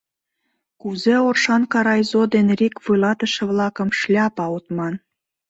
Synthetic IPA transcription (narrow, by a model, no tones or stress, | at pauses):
kuzeorʃɑnkɑɾɑjzod̪enrikβulɑt̪ə̆ʃĕβlɑkə̆mʃlʲɑpɑut̪mɑn